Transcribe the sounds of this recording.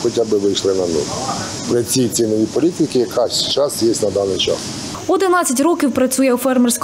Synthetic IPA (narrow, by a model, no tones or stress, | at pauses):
xɔtʲabɪʋɪjʃlˠɪnɐnṵl | pɾɪt͡sʲij̪t͡sʲinɔjʲipɔlʲit̪ʲɪkɪjɐkʰɑʃt͡ʃɑsjesʲtʲnɐd̪ɑnɪjt͡ʃɑ̰s | ɔd̪ɪnɑt͡sʲːɐtʲrɔkʲiwpɾɐt͡sʲujɛwfɛrmɪrsʲk